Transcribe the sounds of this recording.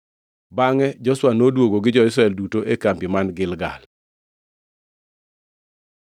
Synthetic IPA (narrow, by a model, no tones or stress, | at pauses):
baŋɛd͡ʒɔswanodwoɡoɡɪd͡ʒɔɪs̬ɾaɛldutoʔekampimanɡɪlɡa̰l